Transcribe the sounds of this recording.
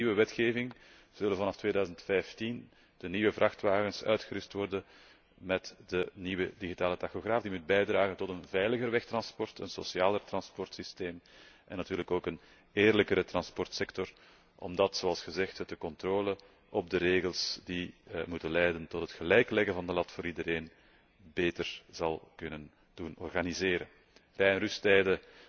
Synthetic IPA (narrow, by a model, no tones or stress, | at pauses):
iʋəʋɛtxeːvɪŋ | z̥ɵlənvɑnɑftʋeːdœːzəntfɛjftin | d̥əniʋəvrʔɑxtʋaːɣənsœ̰ɥtxəɾʏstʋɔrdən | mɛtdəniʋədiɣitaːlətɑxoɣraːfdimut̚bɛjdraːɣəntɔtənvɛjləɣərʋɛxtrɑnspɔrtə̰nso̰sjaːlərtrɑnspɔrtsisteːmʔɛnːɑtyːɾləkoːkən | eːrləkəɾətrɑnspɔrtsɛktɔr | ʔɔ̰mdɑtsoɑlˠsxəzɛxthətəkɔntroːlə | ʔɔb̚dəɾeːɣəlˠsdimutənlɛjdəntɔtɦətxəlɛjklɛɣəvɑndəlɑtfoːɾidəɾeːn | beːtərz̥ɑlˠkɵnən | d̥unɔ̰rɣanizeːɾə̰n | rɛjɛnrystɛjdə